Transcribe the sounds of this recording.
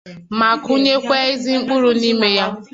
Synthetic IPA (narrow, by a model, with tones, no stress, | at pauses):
ma˨ku˦ɲe˦kʷe˦i˦zi˦ŋ͡m̩˦k͡pʊ˦ɾu˦ni˦me˦ja˦